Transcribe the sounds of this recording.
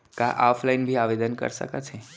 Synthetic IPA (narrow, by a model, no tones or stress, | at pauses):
kãʔafʰlainbʱiaʋed̪ənkə̰ɾʃə̰kat͡ʃʰe